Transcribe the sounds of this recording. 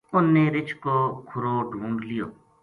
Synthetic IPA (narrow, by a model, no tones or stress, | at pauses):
ʊnːeːɾɪt͡ʃʰkoːkʰʊɾoːɖʱũːɳɖlɪjo̰ː